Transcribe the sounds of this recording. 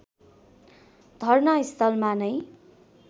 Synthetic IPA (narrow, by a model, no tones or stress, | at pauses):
d̪ʱʌrnʌist̪ʌlmanʌj